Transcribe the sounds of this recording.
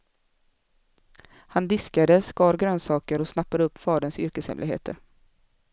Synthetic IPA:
hand̪ɪskad̪əskɑːɾɡɾœːnsɑːkəɾɔsnapːad̪əɵpːfɑːɖ̪ənsʏɾkəshɛ̰mlɪɡhḛːt̪ʰə̰ɾ

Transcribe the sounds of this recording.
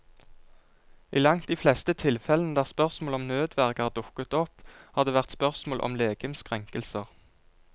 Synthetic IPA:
ʔiːlɑŋt̪̚d̪iːflɛst̪ət̪ʰɪlfɛlən̩əd̪æːʁspœʁsmoːlɔmnøːd̪ʋæʁkæːʁd̪ʊkːət̪ɔphɑːʁd̪eːʋæʁt̪spœʁsmoːlʔɔ̰mleːɡəmskʁɛŋkəlsəʁ

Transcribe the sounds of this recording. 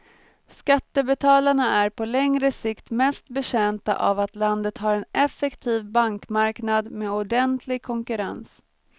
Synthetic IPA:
skat̪ːəbɛt̪ʰɑːlaɳaæɾpʰɔlɛŋɾəsɪkt̪mɛst̪̚bɛɕɛnt̪a̰ʔa̰vat̪land̪ət̪ɦaːɾɛnɛfɛkt̪ʰiːvbaŋkmaɾknad̪meːʊɖɛnt̪ʰlɪɡ̚kʰɔŋkɵɾa̰ns

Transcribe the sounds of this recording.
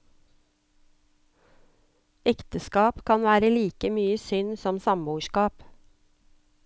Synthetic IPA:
ɛkt̪əskɑːpkʰɑnʋæːɾəliːkəmyːəsʏnsɔmsɑmbuːʃkɑːp

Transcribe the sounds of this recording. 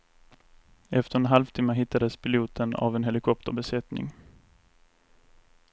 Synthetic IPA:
ɛft̪əɾɛnɦalvt̪ʰɪmːəɦɪt̪ːad̪əspʰɪluːt̪ʰəna̰vɛnɦɛlɪkʰɔp̚t̪ə̰ɾbɛsɛt̪nɪ̰ŋ

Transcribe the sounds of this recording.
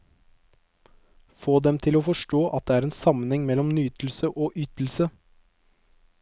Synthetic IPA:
foːd̪ɛmt̪ʰɪloːfɔʂʈoːʔɑt̪̚d̪eːæːɾeːnsɑmənhɛŋmɛlːɔmnyːt̪l̩səʔoːʔʏt̪l̩sə

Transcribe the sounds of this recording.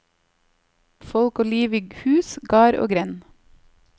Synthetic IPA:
fɔlkoːliːʋiɡhʉːsɡɑːɾo̰ːɡɾɛn

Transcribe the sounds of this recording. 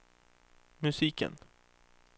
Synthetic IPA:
mɵsiːkə̰n

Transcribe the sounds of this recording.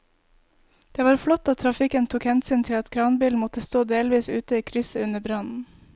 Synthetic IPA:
d̪̥eːʋɑːɾflɔt̪ːɑːt̪ʰɾɑfɪkənt̪ʰuːkhɛnsyːnt̪ʰɪlɑt̪kʰɾɑːnbiːlmɔt̪əst̪oːd̪eːlʋiːsʉːt̪əiːkʰɾʏsəʉnəbɾɑnn̩

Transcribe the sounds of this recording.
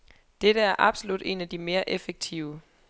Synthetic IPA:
d̥eɾəæɐʔɑ̈b̥so̝lud̥e̝̰ːnæd̥ime̝ːɐʔefeɡ̥̚t͡sʰiʊə

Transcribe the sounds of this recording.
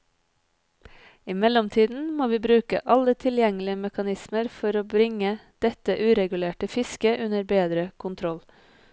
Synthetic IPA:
ɪmɛlɔmt̪ʰiːd̪n̩moːʋiːbɾʉːkə̰ʔɑlət̪ʰɪljɛŋəlɪəmɛkɑnɪsməɾfɔɾoːbɾɪŋəd̪̥ɛt̪əʔʉːɾɛɡʉleːʈəfɪskəʔʉnəɾbeːd̪ɾəkʰʊnt̪ʰɾɔl

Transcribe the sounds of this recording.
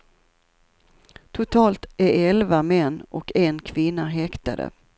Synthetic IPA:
t̪ʰʊt̪ʰɑːlt̪æɾɛlvamɛnːɔkɛnkʰvɪnːaɦɛkt̪a̰d̪ə̰

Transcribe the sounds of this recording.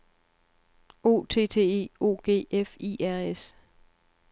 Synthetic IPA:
o̝̰ːt͡sʰe̝̰ːt͡sʰe̝̰ːe̝̰ːo̝̰ːɡ̥e̝̰ːefḭæɐ̰es

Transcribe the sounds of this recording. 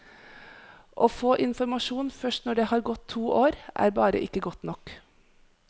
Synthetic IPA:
ʔofoːʔɪnfɔɾmɑʂuːnfœʂʈnɔɖeːhɑːɾɡɔt̪ʰːuːʔoːɾʔæ̰ːɾbɑːɾə̰ʔɪkːəɡɔt̪ːnɔk

